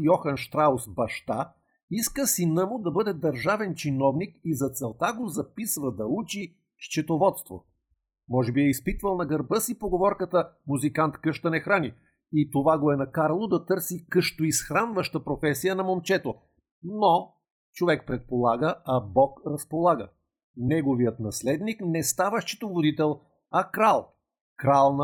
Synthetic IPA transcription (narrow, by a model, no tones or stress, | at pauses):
jɔxɐnʃt̪ɾaosbɐʃt̪a | iskəsinəmʊd̪ɐbɤd̪ɛd̪ɐɾʒavɛnt͡ʃinɔvnikizɐt̪sɛlˠt̪aɡozɐpisvəd̪ɐut͡ʃi | ʃt͡ʃɛt̪ovɔt̪st̪vo̰ | mɔʒɛbiɛispit̪vəlˠnɐɡɐɾbɤsipoɡovɔɾkət̪əmuzikant̪kɤʃt̪ɐnɛxɾani | it̪ovaɡoɛnɐkaɾlˠod̪ɐt̪ɤɾsikɤʃt̪oisxɾanvəʃt̪əpɾofɛsijənɐmomt͡ʃɛt̪o | no | t͡ʃovɛk̚pɾɛt̪̚polˠaɡəɐbɔkɾɐspolˠaɡə | nɛɡovijət̪nɐslɛd̪niknɛst̪avəʃt͡ʃɛ̥t̪ovod̪it̪ɛlˠ | ɐkɾalˠ | kɾalˠn